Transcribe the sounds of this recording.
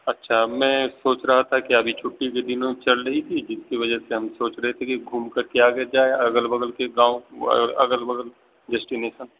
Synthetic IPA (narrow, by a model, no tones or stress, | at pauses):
ɐtːʃʰamɛ̃ːsoːt͡ʃɾɐɦat̪ʰakiɐbʱit͡ʃʰʊʈːiked̪ɪnõt͡ʃɐɽɾɐɦit̪ʰid͡ʒɪskiʋɐd͡ʒəseɦɐmsoːt͡ʃɾɐɦet̪ʰekiɡʱuːmkəɾkeaːɡəd͡ʒaːeɐɡəlbɐɡəlkeɡãːõɾɐ̰ɡəlbəɡəl | ɖɛːsʈineːʃən